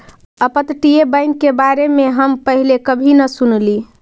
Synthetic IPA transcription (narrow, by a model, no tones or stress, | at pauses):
əpət̪ʈijebəɪnkebaɾemeɦəmpəɦilekəbʱinəsunli